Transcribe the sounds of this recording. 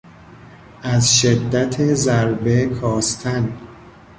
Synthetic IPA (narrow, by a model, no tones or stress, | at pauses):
ʔæzʃed̪ːæt̪ʰezæɾbekʰɒːst̪ʰæn